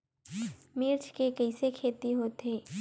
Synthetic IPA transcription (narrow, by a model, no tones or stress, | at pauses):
mɪɾt͡ʃkekɐɪsekʰeːt̪iɦoːt̪eː